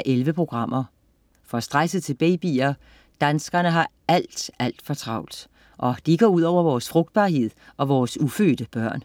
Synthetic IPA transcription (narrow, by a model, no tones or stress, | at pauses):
ʔelʋəpʰʁo̝ɡ̥ʁɑ̈m̰ɐ | fɒ̽sd̥ʁasəðˠt͡sʰe̝lb̥ḛːb̥ḭːɐ | d̥ænsɡ̥ɐnəɦɑ̈ | æl̰d̥æl̰d̥fɒ̽t͡sʰʁɑ̈ʊ̰ld̥ | ʔɒ̽d̥iɡ̥ɒ̰ːuð̞̰ˠɒʊ̰ɐʋɒːsfʁɔ̽ɡ̥̚d̥̚b̥ɑ̈ːɦe̝ð̰ˠɒ̽ʋɒːsufø̰ːd̥əb̥ɶɐ̰n